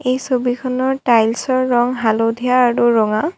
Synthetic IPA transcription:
ejsobikʰɔnɔɹtajlsɔɹːɔŋɦalodʱijaːɹuɹɔŋa

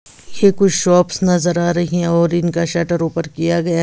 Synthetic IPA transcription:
jekʊt͡ʃʰʃɔːpsnɐzəɾaːɾɐɦiɦɛ̃ɔːɾɪnkaʃɛːʈəɾuːpəɾkijaɡɐja

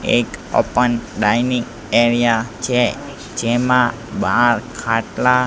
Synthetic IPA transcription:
ḛko̰pənɖajniŋ | eɾijat͡ʃʰe | d͡ʒemã | bãɾkʰaʈla

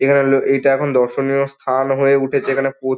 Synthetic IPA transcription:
ekʰaneloejʈaɛkʰond̪ɔɾʃonijost̪ʰanɦoeuʈʰet͡ɕʰeekʰanepo

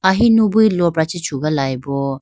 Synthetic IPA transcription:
aɦinũbuilɔpɾat͡ʃit͡ʃʰuɡalajbɔ

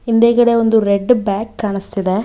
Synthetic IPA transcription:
ind̪eːɡɐɽeond̪uɾeɖːbaːkːaːɳist̪id̪e

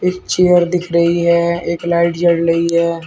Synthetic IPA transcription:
eːk̚t͡ʃejəɾd̪ɪkʰɾəɦiɦɛeːklaɪʈd͡ʒəɽɾəiɦɛː

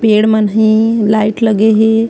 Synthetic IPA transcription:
peɽmənɦĩlaiʈləɡeɦe

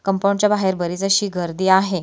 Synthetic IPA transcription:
kəmpãwɳt͡ɕjabaɦeɾbəɾid͡zəɕiːɡəɾd̪iːaɦe

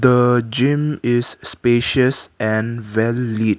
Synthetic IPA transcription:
d̪əd͡ʒĩmɪsːpeʃəsʔɛ̃nvɛlːit

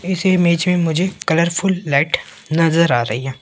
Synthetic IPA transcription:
ɪsmeːt͡ʃmẽmʊd͡ʒʱekɐləɾpʰʊlːɛːʈ | nɐzəɾaːɾɐɦiɦɛː

